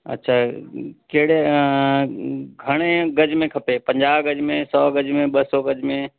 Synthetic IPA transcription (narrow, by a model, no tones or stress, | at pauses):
ə̰tːʃʰaːkeɦɽe | ɡʱəɽ̃eɡəd͡ʒmẽkʰɐpeːpə̃ɲd͡ʒaːʋɡəd͡ʒmẽsɔːɡəd͡ʒmẽɓəsɔɡəd͡ʒmẽ